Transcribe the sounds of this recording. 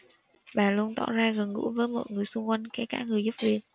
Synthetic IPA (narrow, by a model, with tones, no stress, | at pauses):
ɓaː˨˩lu˧ənt̪ɔ̰˧˨zaː˧ɣə˨˩nŋɨ̰˧˥vəː˨˦jmɔ̰ː˧˨jŋɨ˨˩əjsʊ˧ŋ͡mkwa˧jnkɛ˨˦kaː˧˨˦ŋɨ˨˩əjzu˦˥p̚vi˧ən